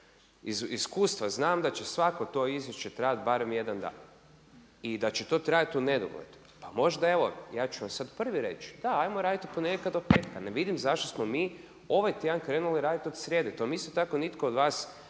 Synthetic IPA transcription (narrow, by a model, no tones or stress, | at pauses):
iziskuːst̪ʋaznaːmd̪at͡ɕesʋakot̪o̞izje̞ʃt͡ɕe̞t̪ɾajat̪baːɾemje̞d̪and̪a̰ːn | id̪at͡ɕet̪o̞ːt̪ɾaːjat̪une̞d̪o̰ɡlḛd̪̥u̥ | pamo̞ʒd̪ae̞ʋo̞jaːt͡ʃuʋamsad̪pr̩ʋiɾe̞̰t͡ʃd̪aajmoɾaːd̪it̪u̥poneɡelʲkad̪ope̞ːt̪kaneʋid̪imzaʃt̪osmomiː | o̞ʋajt̪jed̪ankɾe̞ːnuliɾaːd̪it̪o̞d̪sɾʲjeːd̪et̪ojmist̪ot̪ako̞nit̪kood̪ʋaːs